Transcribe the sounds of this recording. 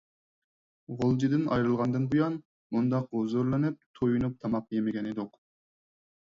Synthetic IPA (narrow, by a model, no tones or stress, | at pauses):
ʁolˠd͡ʒid̪ɪnɑ̰jɾɨlˠʁɑnd̪ɨnbujɑn | mund̪ɑqozuɾlˠɨnɨp̚t̪ʰojunup̚t̪ʰɑmɑpjemɪɡʲɛned̪ʊq